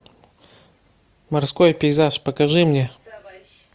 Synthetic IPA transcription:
mɐrskojpʲɪɪzaʂpəkɐʐɨmnʲe

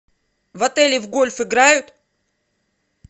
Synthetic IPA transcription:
vɐt̪ɛlʲɪvɡolʲfɪɡɾajʊt̪

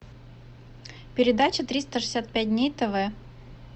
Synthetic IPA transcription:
pʲɪɾʲɪd̪at͡ɕət̪ɾʲist̪əʂɨ̥sʲat̪̚pʲæt̚ʲdʲnʲejt̪ɛvɛ

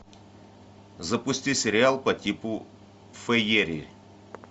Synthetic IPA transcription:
zɐpʊsʲtʲisʲɪɾʲɪalˠpɐtʲipʊ | fɛjeɾʲḭ

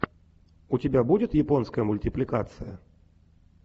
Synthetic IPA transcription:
ʊtʲɪbʲabudʲɪt̪jɪponskəjəmʊlʲtʲɪplʲɪkat̪sɨjə̰

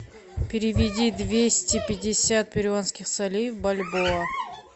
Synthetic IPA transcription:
pʲeɾʲɪvʲɪd̪ʲid̪vʲesʲt̪ʲɪpʲɪd̪ʲɪsʲat̪̚pʲeɾʲonskʲɪχsalʲijvbalʲboə

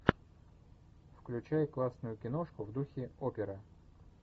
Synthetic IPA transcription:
fklʲʉt͡ɕæjklˠasnʊjʊkʲɪno̞ʂkʊvd̪uxʲɪopʲɪɾə

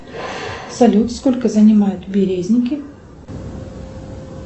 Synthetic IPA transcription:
sɐlʲut̪skolʲkəzənʲɪmajʊt̪bʲɪɾʲezʲnʲɪkʲɪ

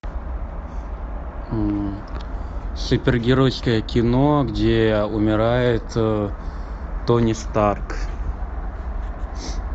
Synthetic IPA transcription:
sʊpʲɪrɡʲɪɾojskəjəkʲɪnoɡdʲeʊmʲɪɾajɪt̪ | onʲɪst̪ark

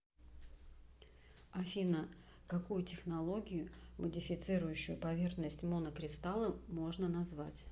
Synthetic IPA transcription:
ɐfʲinə | kɐkujʊtʲɪxnɐlˠo̞ɡʲɪjʊmədʲɪfʲɪt̪sɨɾʊjʉɕːʊjʊpɐvʲe̞rxnəsʲtʲmo̞nəkɾʲɪst̪alˠəmo̞ʐnənɐzvatʲ

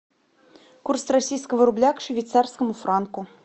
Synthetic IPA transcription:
kurst̪rasʲijskəvəɾublʲɑkʂvʲit̪sɑrskəmufrɑnku

